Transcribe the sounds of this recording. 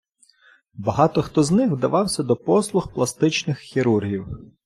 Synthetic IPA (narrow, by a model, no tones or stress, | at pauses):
bɐɦɑt̪ɔxt̪ɔznɪxwd̪ɐʋɑwsʲɐd̪ɔpɔslˠʊxplˠɐst̪ɪt͡ʃnɪxxʲiɾurɦʲiw